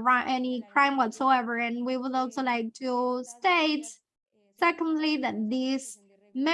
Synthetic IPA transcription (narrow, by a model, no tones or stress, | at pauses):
ɹãnʔɛnikʰɹ̥ãɪ̃mwɔtsoʊɛvə˞ɨ̃nwiwədɔlˠsolaɪk̚tʰusteɪt | sɛkə̃ndliðɨt̚ðis | mɛ̃